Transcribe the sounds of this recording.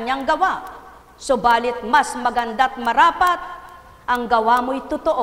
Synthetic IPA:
ɲaŋɡɐwa | sobaːlɪt̪̚masmɐɡɐnd̪at̪̚mɐɾaːpat̪̚ | ʔɐŋɡɐwamojt̪ʊt̪oʔo

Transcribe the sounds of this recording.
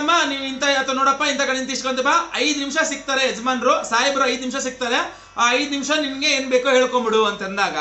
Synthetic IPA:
ɐmːaniːʋint̪ɐɐt̪ʋɐnoːɽɐpːaint̪ɐkɐɳint̪̬isʈkont̪ipaɐjd̪unimʂɐsik̚t̪aːɾeɦed͡ʒɐmaːnɾusaːɦibɾuɐjd̪nimʂɐsik̚t̪aːɾe | aːɐjd̪nimʂɐninɐɡe̞eːnbe̞ːkuɦeːɭkombiɽuɐnt̪ɐind̪aːɡɐ

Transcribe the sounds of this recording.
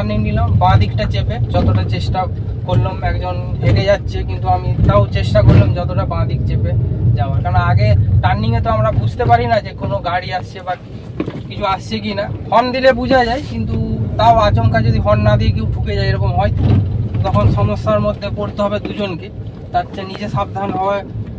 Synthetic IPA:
ʈanːiŋnilombãad̪ʱikʈat͡ɕeped͡ʑɔt̪oʈat͡ɕeʃʈa | koɾlomɛkd͡ʑoneked͡ʑatːɕʰekint̪uamit̪awt͡ɕeʃʈakoɾlomd͡ʑɔt̪oʈabãad̪ʱik̚t͡ɕeped͡ʑaoaɾkaɾnoaɡeʈanːiŋet̪oamɾabud͡ʑʱt̪epaɾinad͡ʑekonoɡaɽiast͡ɕʰebaɾ | kit͡ɕʰuast͡ɕʰek̬inahɔnd̪ilebud͡ʑʱad͡ʑajkint̪ut̪aoat͡ɕoŋkad͡ʑod̪ʱiɦɔnːad̪ikewʈʰuked͡ʑajeɾɔkomɦɔjt̪t̪ɔkʰonʃɔmosːaɾmod̪ʱːekoɾt̪eɦɔbed̪ud͡ʑonke | t̪aɾt͡ɕʰanid͡ʑeʃab̚d̪ʱanɦɔe

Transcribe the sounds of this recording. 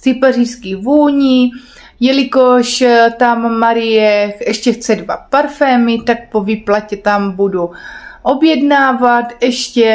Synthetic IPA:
t̪ipariskivuːɲi | jɛlɪkoʃt̪amːaɾɪjɛɛʃcɛxt͡sɛdvapaɾfɛːmɪt̪ak̚povɪplacɛt̪ambuduʔobjɛdnaːvat̪ɛʃcɛ

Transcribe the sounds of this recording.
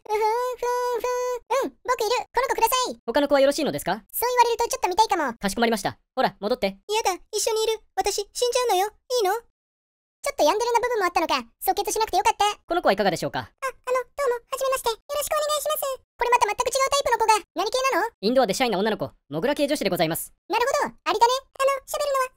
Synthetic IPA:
ɯ̟̃ɸɯ̃ɸɯ̟̃ɸɯ̟̃ɯ̟̃ɴbo̞kɯ̟iɾɯ̟ko̞no̞ko̞kɯ̟d̪asaiho̞kano̞ko̞βajoɾo̞ɕiːno̞d̪e̞sɨ̥kaso̞ːiβaɾe̞ɾɯ̟t̪o̞t͡ɕo̞t̪ːomit̪aikamo̞kaɕ̬i̥komaɾʲimaɕi̥t̪a̰ | ho̞ɾamo̞d̪ot̪ːe̞ijad̪aiɕːo̞ɲ̟iːɾɯ̟βat̪aɕiɕĩɲ̟d͡ʑaɯ̟no̞jo̞ | iːno̞ | t͡ɕo̞t̪ːo̞jãnd̪eɾɯnːabɯ̟bɯ̟̃mːo̞at̪ːano̞kaso̞kːe̞t̪oɕinakɯ̟̥t̪ejo̞kat̪ːako̞no̞ko̞aikaɡad̪e̞ɕo̞ːka̰aano̞d̪̥o̞ːmo̞haʑime̞maɕi̥t̪e̞jo̞ɾo̞ɕi̥kɯone̞ɡaiɕimasɨko̞ɾe̞mat̪amat̪ːakɯ̟t͡ɕiɡaɯ̟t̪aipɯ̟no̞ko̞ɡanaɲ̟ike̞ːnano̞ĩnd̪o̞ad̪e̞ɕaĩnao̞nːanoko̞ | mo̞ɡɯ̟ɾake̞ːd͡ʑo̞ɕid̪eɡo̞zaimasɨ̥ | naɾɯ̟ɦo̞d̪o̞aɾʲid̪ane̞ano̞ɕabe̞ɾɯ̟no̞βa

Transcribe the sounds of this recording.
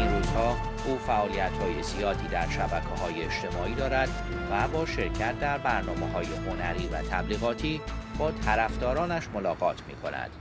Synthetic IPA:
inɾuːz̥hɒː | ʔuːfæʔɒːlijæt̪hɒːjezijɒːd̪ʰiːd̪æɾʃæbækʰeɦɒːjeeʃt̪e̞mɒːiːd̪ɒːɾæd̪̥ | væbɒːʃe̞ɾcʰæt̪̚ʰd̪æɾbæɾnɒːmeɦɒːjeho̞næɾiːvæ̰t̪ʰæbliːɣɒːt̪ʰiːb̥ɒːt̪ʰæɾæfd̪ɒːɾɒːnæʃmo̞lɒːɣɒːt̪ʰmḭːkʰo̞̰næ̰d̪̥

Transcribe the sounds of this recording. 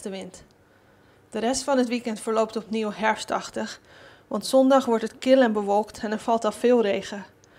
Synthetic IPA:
təʋɪnt | d̥əɾɛstfɑnətʋikɛntfəɹlowp̚tɔpniwɦɛɹfstɑχtəx | ʋɑntsɔndɑχʋɔɹtətkɪlɛnbəʋɔlˠktʰɛnɛɹfɑlˠtɑlˠfɪːlˠrejχə

